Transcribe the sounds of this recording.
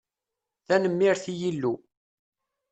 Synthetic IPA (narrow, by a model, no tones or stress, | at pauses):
θænəmːiɾθijilːu